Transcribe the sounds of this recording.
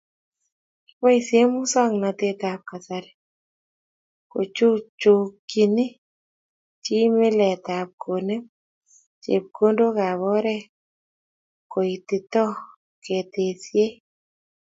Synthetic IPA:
pɔ˦i˨sje˦mʊ˦sɔ˦ŋnɔ˨t̪e˦t̪a˨p̚ka˨sa˦ɾɛ˨ | ko̰˨t͡ʃu˦t͡ʃo˨ki˨nɪ˦ | t͡ʃi˦mɪ˦lɛ˨t̪a˨p̚kʰo˨ne˦ | t͡ʃḛ˨p̚ko˦ndo˦ɡa˨βɔ˦ɾɛ˦ | ko˨i˨t̪ɪ˨t̪ɔ˦ | ke˨t̪e˨sje˦

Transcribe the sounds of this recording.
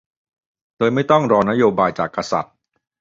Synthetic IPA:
d̥oː˧jma˥˩jt̪ɔ˥˩ŋɾɔː˧na˦˥joː˧baː˧jt͡ɕaː˨˩kːa˧sa̰˨˩t̪̚

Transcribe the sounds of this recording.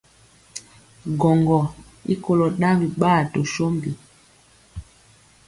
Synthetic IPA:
ɡɔ˨ŋɡɔ˨ | ḭ˦ko˨lɔ˨ɗa˦mbi˨ɓaː˦˨to˨ʃo˦mbi˨

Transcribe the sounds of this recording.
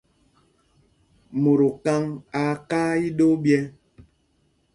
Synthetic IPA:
mo˨ɾo˨ka˦ŋa˨kaː˦i˦ɗo˦bjɛ˦

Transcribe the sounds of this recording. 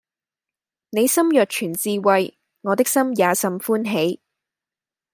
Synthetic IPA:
ne˨˧jsɐ˥mjœː˨k̚t͡ʃʰyː˨˩nt͡siː˧wɐ˨j | ŋɔː˨˧t̪ɪ˥k̚sɐ˥mjaː˨˧sɐ˨mfuː˥nɦe˨˥j

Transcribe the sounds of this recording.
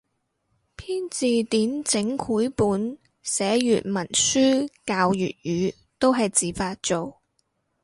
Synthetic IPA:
pʰiː˥nt͡siː˨t̪iː˨˥nt͡sɪ˨˥ŋkʰuː˨˥jpuː˨˥n | sɛː˨˥jyː˨t̚mɐ˨˩nsyː˥kaː˧wjy̰ː˨t̚jyː˨˧ | t̪o˥wɦɐ˨jt͡siː˨faː˧t̚t͡so˨w

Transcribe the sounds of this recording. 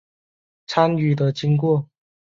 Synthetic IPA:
t͡sʰa˥ny˨˩d̪ə˦t͡ɕi˥ŋk̬wɔ˥˨

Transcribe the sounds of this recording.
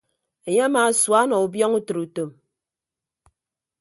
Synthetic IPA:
e˨ɲe˦a˦maː˨˦swa˨˦nɔ˨u˨bjɔ˦ŋu˦tɨ˨ɾu˨to˨m

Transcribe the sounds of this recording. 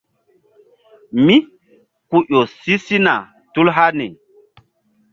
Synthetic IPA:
mi˦ | ku˦ʔo˨si˦si˦na˨ | tu˦lɦa˦ni˨

